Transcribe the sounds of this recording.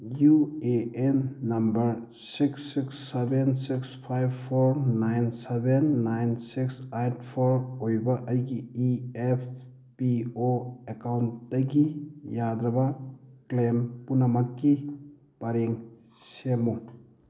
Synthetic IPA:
jueenːɐmbɐɾ | siksiksebensikspʰajbpʰoɾnajnsebenːajnsiksajtpʰɔɾojbɐʔɐjɡiiepʰ | pioekawndaɡijadɾɐbaklempunamɐkːi | b̥aɾeŋ | semu

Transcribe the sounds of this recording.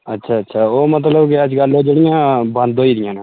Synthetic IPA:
ətːʃʰaːətːʃʰaːomət̪ləbkiəd͡ʒɡəlːoːd͡ʒoɽɪjãːbə̃nd̪ʱoːiːɾɪjãːnã

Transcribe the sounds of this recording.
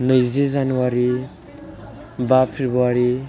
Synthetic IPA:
nʌjzed͡zanuwaɾi | bapʰebuaɾi

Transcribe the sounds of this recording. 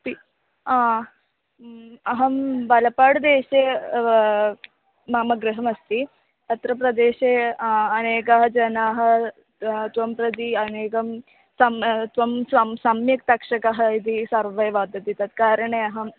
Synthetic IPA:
pi | a | ɐɦɐmbɐlɐpaɽd̪eːɕe | mɐmɐɡɾɪɦɐmɐst̪i | ɐt̪ɾɐpɾɐd̪eːɕeɐneːkɐɦɐd͡ʒɐnaɦɐ | t̪ʋɐmpɾɐd̪iɐneːkɐm | sɐmt̪ʋɐmsɐmsamjɐkt̪ɐkʂɐkɐɦɐit̪isɐɾʋɐjʋad̪ɐt̪it̪at̪kaːɾəɳeɐɦɐm

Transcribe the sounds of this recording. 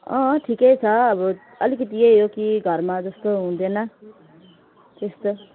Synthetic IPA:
ʌ̃ʈʰikʌjt͡sʰʌːbʌ | ʌlikʌt̪ieɦjokiɡʱʌɾmad͡zʌst̪oɦũd̪enʌ | t̪est̪o

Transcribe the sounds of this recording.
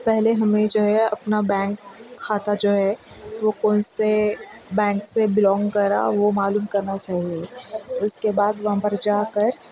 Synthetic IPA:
pɛɦleɦɐmẽd͡ʒoːɦɛɐpnabɛ̃ːŋkʰːaːt̪ad͡ʒoːɦɛ | ʋokɔːnse | bɛ̃ːŋksebɪlɔ̃ːŋɡkɐɾa̰ʋomaːluːmkɐɾnat͡ʃaːɦiet̪oʊskebaːd̪ʋɐɦãpɐɾd͡ʒaːkəɾ

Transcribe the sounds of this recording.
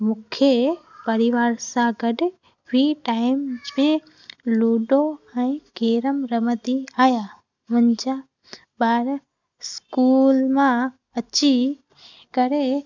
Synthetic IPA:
mʊkʰjepɐɾɪʋaːɾsãɡəɖɪ | bʱiːʈaːɪmmẽ | luːɖoɛ̃iɡeːɾəmɾəməd̪iaːja | mʊ̃nd͡ʒa | baːɾ | skuːlmã | ɐt͡ɕi | kɐɾe

